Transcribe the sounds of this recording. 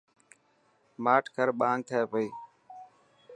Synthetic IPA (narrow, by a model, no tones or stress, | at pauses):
maːʈʰkəɾɓãːŋɡ̚t̪ʰəeːpəiː